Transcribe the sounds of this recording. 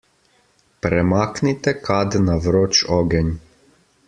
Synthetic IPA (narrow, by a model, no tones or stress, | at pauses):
pɾɛmaːknit̪ɛkad̪naʋɾoːt͡ʃɔːɡɛnʲ